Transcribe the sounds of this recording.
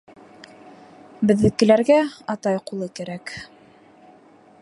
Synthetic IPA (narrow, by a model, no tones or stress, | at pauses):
bɘ̆ðːɘ̆kɘ̆læɾɡæɑt̪ɑjqulˠɤkæɾæk